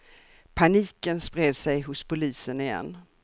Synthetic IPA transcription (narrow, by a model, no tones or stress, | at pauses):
pʰaniːkənspɾeːd̪sɛjɦʊspʰʊliːsənɪjɛ̰nː